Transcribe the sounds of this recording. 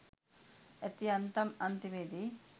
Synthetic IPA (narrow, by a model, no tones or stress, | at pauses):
et̪iɐnt̪ɐmɐnt̪imeːd̪i